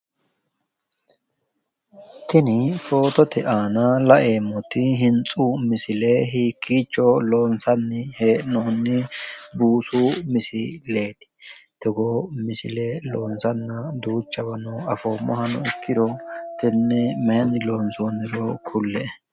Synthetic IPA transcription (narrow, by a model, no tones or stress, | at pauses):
t̪ɪnɪfo̞ːt̪ɔt̪ɛʔaːnalɐʔe̞ːmːɔt̪ɪɦɪnt͡sʼuːmɪsɪleɦiːkːiːt͡ʃːɔlo̞ːnsɐnːɪheːʔnoːnːɪbuːsuːmɪsɪle̞ːt̪ɪ̥t̪ɛɡomɪsɪleloːnsɐnːɐd̪uːt͡ʃʼːɐbɐnɔɐfoːmɔ̰hɐnɔ̰ɪkːɪd̪ɔt̪ɪnːɛmɛnɪlo̞ːnsoːnːɪɾɔkʰʊlːɛɛ